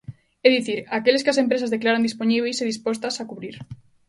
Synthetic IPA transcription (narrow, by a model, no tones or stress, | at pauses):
ɛðiθiɾakeles̬kɪasempɾes̬azðeklaɾand̪isponiβ̞ejseðispost̪asakuβɾiɾ